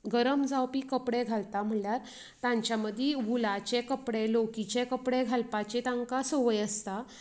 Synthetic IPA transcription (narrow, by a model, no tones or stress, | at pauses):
ɡəɾəmd͡zawpiːkəpɽeɡʱalt̪am̤əɳljaɾ | t̪ãɲt͡ɕjaməd̪ʱːjiʋulat͡ɕekəpɽelokit͡ɕekəpɽeɡʱalpat͡ɕet̪ãŋkasəʋəjəst̪a